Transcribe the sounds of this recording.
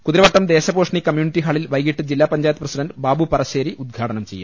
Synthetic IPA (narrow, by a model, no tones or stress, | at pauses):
kuðiɾɐʋɐʈːɐmd̪eːɕɐboːʂɐɳikɐmjuːniʈːiɦaːɭilʋɐjɣiʈːɨd͡ʑilːaːpɐɲd͡ʑaːjt̪prɐsiɖɐndɨbaːbupɐrɐɕeːɾiʔud̪̚ɡʱaːʈɐnɐmt͡ɕe̞jːa̰